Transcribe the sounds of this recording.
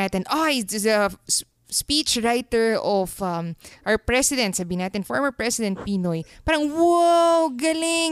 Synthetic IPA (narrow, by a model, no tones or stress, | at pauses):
aːt̪ɛnʔaɪsɐ | spiːt͡ʃɹajt̪ɛɹʔɔfʔɐmʔawpɹɛsɪd̪ɛ̃nt̪saːbiːnaːt̪ɛnfɔɹmɛɹpɹɛsɪd̪ɛ̃nt̪̚piːnojpaːɾɐŋwoɡɐlɪŋ